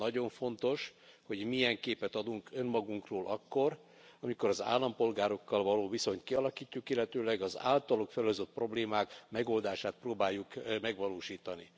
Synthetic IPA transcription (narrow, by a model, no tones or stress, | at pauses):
nɒɟo̞ɱfo̞nt̪o̞ʃho̞ɟmijɛŋkeːpɛt̪ɒd̪uŋkø̞nmɒɡuŋkroːlʔɒkːo̞r | ɒmiko̞ɾɒza̰ːlːɒmpo̞lɡaːɾo̞kːɒlvɒloːviso̞ɲt̪kiɒlɒkiːcːukilːɛt̪øːlɛɡɒza̰ːlt̪ɒlokfɛløzøt̪̚pro̞bleːmaːkmɛɡo̞ld̪aːʃaːt̪̚proːbaːjːukmɛɡʋɒloːʃiːt̪ɒnḭ